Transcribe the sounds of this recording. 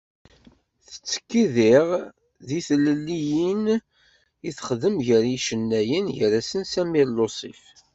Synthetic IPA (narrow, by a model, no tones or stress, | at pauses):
θə̥t͡sːə̥kːiðɪʁ | ðiθləlːijin | iθχðəmʝəɾiʃənːæjənʝəɾæsənsæmiɾlosˤḭf